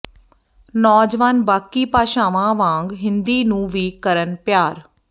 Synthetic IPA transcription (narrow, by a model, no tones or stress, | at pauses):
nɔːd͡ʒʋaːnbaːkiːpaːʃãːʋãːʋãːŋɡɦɪnd̪iːnũːʋiːkəɾənpjaːɾ